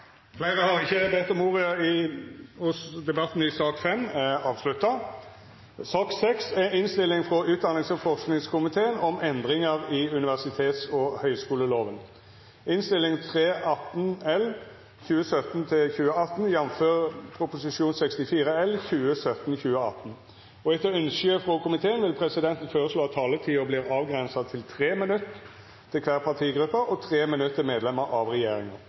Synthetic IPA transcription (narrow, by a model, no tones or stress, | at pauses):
fleːʁəhɑʁɪçːəbɛt̪ːɔmːuːʁɪɑɪhʊsd̪ɛbɑt̪ːn̩ɪsɑːkfɛmɑːʋslʉt̪ːɑ | sɑːksɛksɛɪnst̪ɪlːɪŋfʁɔʔʉːt̪̚d̪ɑnɪŋsɔfɔʂknɪŋskʰʊmɪt̪ʰeːənɔmɛnd̪ʁɪŋəʁɪʉnɪʋæʁsɪt̪ʰeːt̪sɔhœʏskuːləloːʋən | ɪnst̪ɪlːɪŋt̪ʰʁeːʔɑt̪ːn̩ɛl | çʉːəsœt̪n̩t̪ʰɪçʉːəɑt̪ːn̩jɛnføːʁpʰɾʊpʊsɪʂuːnsɛkst̪ɪfiːɾəɛlçʉːəsœt̪nçʉːəɑ̰t̪n̩ | ɔɛt̪ːəɾʏnsəəfʁɔkʰʊmɪt̪ʰeːənʋɪlpʰɾɛsɪd̪ɛnt̪n̩føːʁəsloːɑt̪ʰːɑːlət̪ʰiːʊbliːʁɑːʋɡʁɛnsɑt̪ʰɪlt̪ʰʁeːmɪnʉt̪ʰː | ɪlkʰʋæːʁpʰɑt̪ʰiːɡɾʉpːəɔt̪ʰʁeːmɪnʉt̪ːəmeːd̪lɛmːəɾʔɑʋʁɛjeːɾɪŋɑʁ